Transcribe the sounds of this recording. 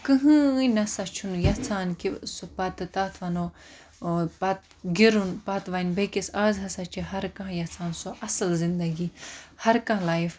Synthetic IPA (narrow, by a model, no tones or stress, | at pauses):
kɨɦɨ̃nɐsɐt͡ʃʰunjɐt͡sʰaːnkisopɐt̪t̪aːt̪ʰʋɐno | pɐt̪̚ | ɡiɾunpɐt̪ʋanbekisaːzɦɐsat͡ʃʰiɦɐɾkãɦjɐt͡sʰaːnsoʔɐsɨlzind̪ɐɡihɐɾkãːlaːif